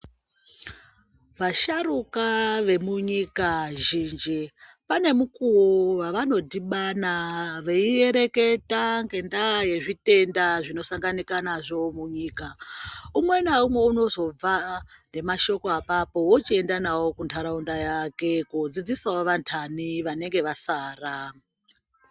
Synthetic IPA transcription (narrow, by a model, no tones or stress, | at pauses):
ʋaʃaɾukaʋe̞muɲikaʒiːnd͡ʒi | pane̞mukuuʋaʋano̞diɓanaʋeie̞ɾe̞ke̞taŋɡe̞ndaje̞ʐite̞ndaʐino̞saŋɡanikanaʐo̞muɲiːkaumwe̞naumwe̞uno̞zo̞b͡vane̞maʃo̞ko̞apapo̞wot͡ʃie̞ndanawo̞kuntʰaɾaundajake̞kud͡zid͡zisawoʋantʰaniʋane̞ŋɡe̞ʋasaːra